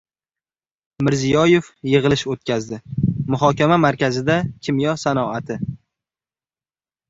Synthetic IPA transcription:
mɪɾzijɒje̞fjɨʁɨlˠɪʃot̪̚kʲʰazd̪ɪmʊɦɒkʲamamaɾkʲazɪd̪akʲʰɪmjɒsanɒat̪ʰɪ

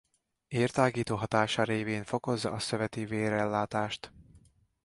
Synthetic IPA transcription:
eːrt̪aːɡiːt̪oːɦɒt̪aːʃɒɾeːveːɱfo̞ko̞zːɒ̰ʔɒsøvɛt̪iveːɾɛlːaːt̪aːʃt̪

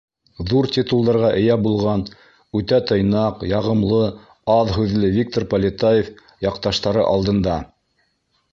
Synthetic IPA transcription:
ðuɾt̪ʲit̪ulˠd̪ɑɾʁɑʔɘ̆jæbulˠʁɑn | ʉt̪æt̪ɤ̆jnɑqjɑʁɤ̆mlˠɤ | ɑðɦʉðlɘvʲik̚t̪orpɐlʲɪt̪ajef | jɑqt̪ɑʃt̪ɑɾɤʔɑlˠd̪ɤ̆nd̪ɑ

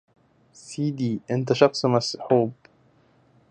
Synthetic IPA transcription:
siːd̪iːʔɪnt̪̬æʃɑxsˤmæsħuːb

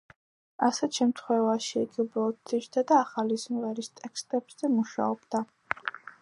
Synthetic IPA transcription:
asɛt̪ʃɛmt̪ʰχwɛvaʃiɛɡiubɾɔɔd̪̚ʰit͡ʃd̪ad̪aːχalizmvɛɾist̪ʼɛkst̪ʼɛbz̥ɛmuʃa̰ɔb̥d̪a

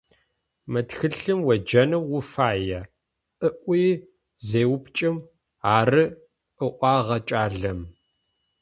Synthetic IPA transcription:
mɐtxɨɬɨmwɐd͡ʒɐnɐwːʊfaːjɐ | ʔəʔʷiː | zeːwʊpt͡ʃʼɪm | aːrɨ | ʔəʔʷɑːʁɐt͡ʃʼaːɮɐm

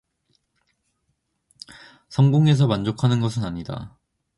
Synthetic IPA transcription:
sʰʌŋɡoŋe̞s̬ʰʌmand͡ʑokʰanɯnɡʌs̬ʰɯnaɲida̰

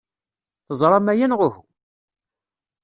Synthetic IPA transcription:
θəzˤɾˤɑmæjænʁʊhu

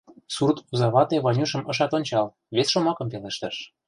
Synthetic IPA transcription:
surt̪uzɑβɑt̪eβɑnʲuʃə̆mɤ̆ʃɑt̪onʲt͡ɕɑl | βesʃomɑkɤ̆mpeleʃt̪ə̆ʃ

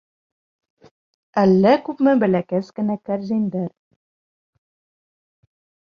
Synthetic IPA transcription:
ælːækʉpmɘbæ̆lækæskɘ̆nækæɾzʲænd̪æɾ

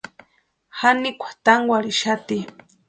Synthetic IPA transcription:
hanikʷʰḁt̪aŋɡwaɾiʃat̪i

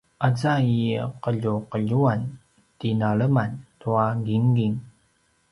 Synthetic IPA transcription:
ʔazaiqəʎuqəʎuan | tinaɭəmantuaɡiŋɡiŋ

